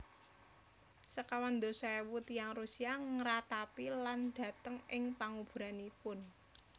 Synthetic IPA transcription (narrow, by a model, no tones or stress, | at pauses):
səkawand̪osaɛwut̪jaŋrusiaŋəɾat̪apilanɖ̥ä̤t̪əŋɪŋpaŋub̥ṳɾanipʊn